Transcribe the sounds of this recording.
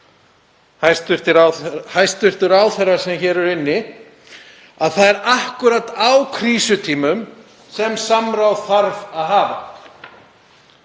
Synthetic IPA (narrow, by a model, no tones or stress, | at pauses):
hajst̪ʏ̥t̪ɪɾhajst̪ʏr̥t̪ʏɾawθɛrːasɛmçɛːɾɛɾɪnːɪ | aðθaðɛɾahkʏɾat̪awkʰɾiːsʏt̪ʰiːmʏm | sɛmsamɾawθaɾvaðɦaːva̰